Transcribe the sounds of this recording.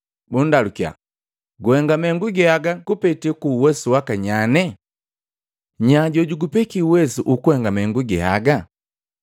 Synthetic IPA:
bundalukja̰ | ɡuhɛŋɡamɛŋɡuɡɛhaɡaɡupɛtɛkuwɛsuwakaɲanɛ | ɲaɟɔɟuɡupɛkiuwɛsuʔukuhɛŋɡamɛŋɡuɡɛha̰ɡa

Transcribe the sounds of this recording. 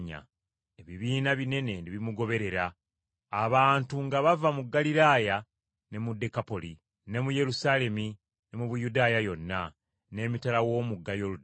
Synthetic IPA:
ɲa̰ | eβiβiːnaβine̞ne̞ndiβimuɡo̞βe̞ɾe̞ɾaː | βaːntuŋɡaβavamuɡːaliɾaːja | ne̞mudekapo̞li | ne̞muje̞ɾusaːle̞mi | ne̞muβujudaːjajo̞nːa | ne̞ːmitalawo̞ːmuɡːajo̞lu

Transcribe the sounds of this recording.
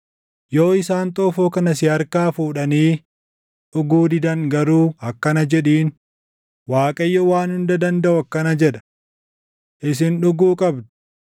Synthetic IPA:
jo̞ːɪsaːnt̪ʼɔːfoːkɐnɐsɪɐɾkaːfuːᶑɐniː | ᶑʊɡuːd̪ɪd̪ɐŋɡɐɾuːɐkːɐnɐd͡ʒɛᶑiːn | waːkʼɐjːɔwaːnhʊnd̪ɐd̪ɐnd̪ɐʔʊɐkːɐnɐd͡ʒɛᶑɐ̥ | ʔɪs̬ɪnᶑʊɡuːkʼɐbd̪ʊ̥

